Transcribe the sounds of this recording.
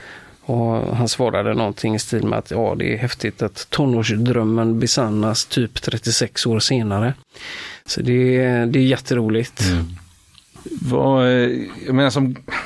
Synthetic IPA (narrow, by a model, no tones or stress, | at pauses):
ɔɦansvɑːɾad̪ənɔnt̪ʰɪŋɪst̪iːlmɛ̰a̰t̪ʰjɑ̰ːd̪ɛ̰æ̰ɾhɛft̪ɪt̪at̪ʰːɔnːoːʂd̪ɾœmːənbɛsanːast̪ʰyːpt̪ʰɾɛt̪ːɪsɛksoːɾseːnaɾə | sɔd̪ɛd̪ɛæɾjɛt̪ʰːəɾuːlɪɡt̪ | va̰ | jɑmeːnasɔm